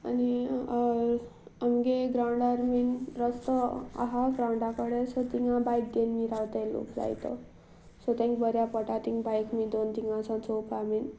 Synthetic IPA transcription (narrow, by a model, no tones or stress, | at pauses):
a̰ni | amɡeɡɾawɳɖaɾminɾʌst̪əa̰ɦaɡɾawɳɖakəɽesɔt̪iŋãbajk̚d̪enmiɾawt̪ajlo̰kd͡za̰jt̪ɔ̰ | sɔt̪ẽŋkbəɾjapɔʈat̪iŋɡbajkmid̪ont̪iŋɡãsʰãnt͡sopʰamin